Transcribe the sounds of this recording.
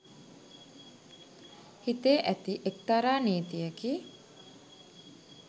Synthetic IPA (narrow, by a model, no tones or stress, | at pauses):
hit̪eːʔæt̪iʔek̚t̪aɾaːneːt̪ijəkiː